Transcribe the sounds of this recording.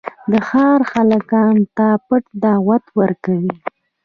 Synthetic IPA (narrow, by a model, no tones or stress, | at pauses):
d̪əxɑɾxalakɑnt̪apəʈd̪ɑwat̪wəɾkawi